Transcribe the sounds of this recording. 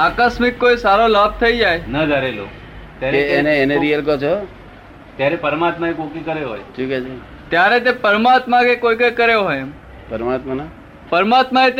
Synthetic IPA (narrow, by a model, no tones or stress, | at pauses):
akaʃmikːojsaɾolab̚t̪ʰəid͡ʒajnəd̪ʱaɾelo̰ | t̪jaɾeːneːneɾijəlkət͡ʃʰo | t̪jaɾepəɾmat̪maekokikəɾeɦojʃũːkɛt͡ʃʰe | t̪jaɾet̪̬epəɾmat̪makekojkekəɾjoɦojem | pəɾmat̪mana | pəɾmat̪maet̪